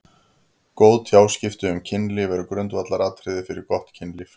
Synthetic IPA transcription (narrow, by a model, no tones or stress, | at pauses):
koːwðt̪ʰjaːwscɪft̪ʏʏmcʰɪnlɪvɛɾʏkɾœnt̪vat̪laɾaːt̪ʰɾɪðɪfɪɾɪɾkɔht̪cʰɪnlɪf